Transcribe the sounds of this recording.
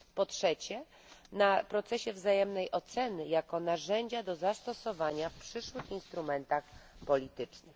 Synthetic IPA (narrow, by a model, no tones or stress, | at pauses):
pɔtʂɛt͡ɕɛ | napɾɔt̪sɛɕɛvzajɛmnɛjʔɔt̪sɛnɘjakɔnaʐɛɲd͡ʑad̪ɔzast̪ɔsɔvaɲafpʂɘʂwɘxinst̪ɾumɛnt̪axpɔlʲit̪ɘt͡ʂnɘx